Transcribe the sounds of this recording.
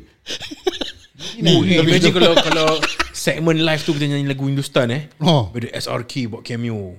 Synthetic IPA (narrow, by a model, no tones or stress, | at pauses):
imɛ̃d͡ʒĩnkalawkalawsɛk̚mə̃nlajft̪ukit̪aɲãĩlaɡuĩndust̪anɛwidəʔɛsa̰rkʰibawʔ̚kʰɛmio